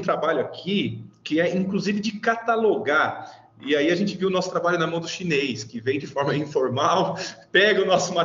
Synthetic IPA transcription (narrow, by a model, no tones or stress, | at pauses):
t̪ɾabaʎʊakʰikɪɛʔĩŋkluzivɪd͡ʒɪkat̪aloɡa | ɪaiaʒẽnt͡ʃɪviwʊnɔsʊ̥t̪ɾabaʎjʊnɐmɐ̃w̃d̪ʊʃinejskɪvẽj̃d͡ʒɪfɔɾmɐĩfoɾmawpɛɡɐʊnɔsʊma